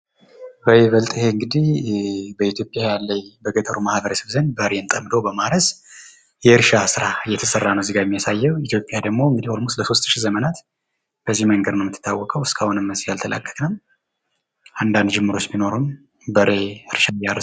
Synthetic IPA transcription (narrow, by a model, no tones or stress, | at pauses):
bəɾeβəlt̪ʼihe̞ɨŋɡɨd̪ihbəit̪ʰjo̞pʼjajalːəjbəɡət̪ʼəɾumahbəɾəsəβzənbəɾe̞ɨnt̪ʼəmd̪o̞bəmaɾəs | jɛɨɾʃasɨɾaɨjːɛt̪ʰəsərːanəwzɨɡajɛmːijasajːɛwit̪ʰjo̞pʼjad̪əɡmo̞ɨŋɡɨd̪iholmusləso̞st̪ʰːɨʃizəmənat̪ | b̥əzːihməŋɡəd̪nəwmːɨt̪ʰːɨ̥t̪ʰːawːɔkʼəwɨskʰʼahunɨmːəsijalt̪ʰələ̰kʼːə̥kʼnəm | ʔand̪and̪d͡ʒɪmːɨɾo̞t͡ʃːmino̞ɾum | bəɾe̞ɨɾʃajaɾ